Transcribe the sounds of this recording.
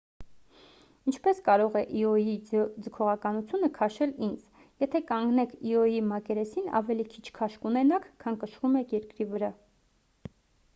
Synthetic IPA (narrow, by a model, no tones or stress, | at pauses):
int͡ʃʰpɛskɑɾɔʁɛʔiɔjid͡zəkʰɔʁɑkɑnut͡sʰjunəkʰɑʃɛlind͡z | jɛt̪ʰɛkɑŋɡnɛkʰiɔjimɑkɛɾɛsinɑ̰vɛlikʰi̥t͡ʃʰkʰɑʃkunɛnɑkʰkʰːɑnkəʃɾumɛjɛɾkɾivəɾɑ